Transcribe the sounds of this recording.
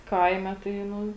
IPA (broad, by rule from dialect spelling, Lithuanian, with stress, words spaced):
ˈkɐɪmʲɛ tɐɪ ˈnʊ